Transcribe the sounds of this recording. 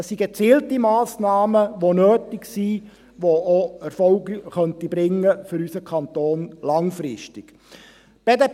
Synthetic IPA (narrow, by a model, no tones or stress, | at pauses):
ɛsːiɡet͡siːltimɑːsnɑːməʋonøːtɪksi | ʋoʔoɛɾfɔlɡiχœntibɾɪŋːəfʏɾysəkʰɑnt̪oːnlɑŋfɾɪʃtɪɡ̥ | b̥ede